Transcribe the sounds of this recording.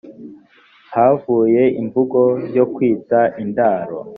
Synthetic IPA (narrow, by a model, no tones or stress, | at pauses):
havuːje̞imvuɡo̞jo̞kwiːtaʔindaːɾo̰